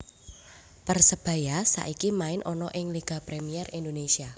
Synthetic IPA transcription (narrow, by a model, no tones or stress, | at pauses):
pərsəb̥ä̤jasa̰ʔikimaɪnʔɔnɔʔɪŋliɡ̥a̤pɾemiɛrind̪onesia